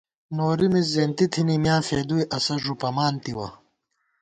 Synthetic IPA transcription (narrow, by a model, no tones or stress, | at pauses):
noːɾimiszeːnt̪it̪ʰinimjaːfeːd̪ujʔɐsɐʐupɐmaːnt̪iwɐ̰